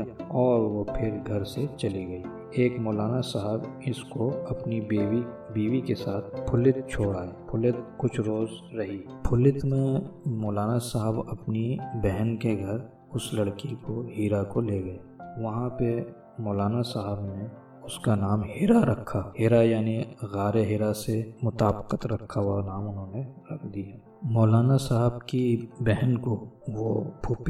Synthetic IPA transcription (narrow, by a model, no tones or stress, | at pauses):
ɔːɾʋopʰɪɾɡʱɐɾset͡ʃɐliɡɐiː | eːkmɔːlaːnasaɦəbɪskoɐpniːi | biːʋikesaːt̪̚ʰpʰʊlɪt̪̚t͡ʃʰoːɽaːeːpʰʊlɪt̪̚kʊt͡ʃʰɾoːzɾɐɦiː | pʰʊlɪt̪mẽmɔːlaːnasaɦəbɐpnibɛɦənkeɡʱɐɾ | ʊslɐɽkikoɦiːɾakoleːɡɐeʋɐɦãpe | mɔːlaːnasaɦəbne | ʊskanaːmɦiːɾaɾɐkʰːaɦɪɾajaːniɣaːɾeɦɪɾasemʊt̪aːbqət̪ɾɐkʰːaɦuanaːmʊnɦõːneɾɐkʰd̪ija | mɔːlaːnasaɦəbkibɛɦənkoʋopʰuːp